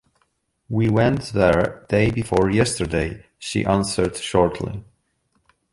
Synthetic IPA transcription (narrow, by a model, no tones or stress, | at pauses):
wiwɛ̃ntðəɹdeɪbɨfɔɹjɛstə˞deɪ | ʃḭʔæ̃nsə˞d̥ʃɔɹtʰlḭ